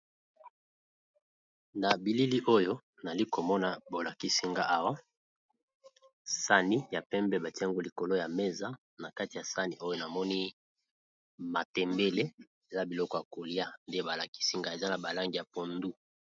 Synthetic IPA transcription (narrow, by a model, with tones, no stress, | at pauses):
na˨bi˨li˦li˦ʔo˦jo˦ | na˨li˦ko˨mɔ˦na˨bo˨la˨ki˦si˦ŋɡa˦ʔa˦wa˦ | sa˦ni˦ja˨pɛ˦mbɛ˦ba˨ti˦a˦ŋɡo˦li˨ko˨lo˦ja˨me˦za˦ | na˨ka˦ti˨a˨sa˦ni˨ʔo˦jo˦na˨mɔ˦ni˦ | ma˨tɛ˨mbe˦le˦ | e˨za˦bi˨lɔ˦kɔ˨ja˨ko˨li˦a˦nde˦ba˨la˨ki̥˦si˦ŋɡa˦e˨za˦na˨ba˨la˦ŋɡi˨ja˨po˨ndu˦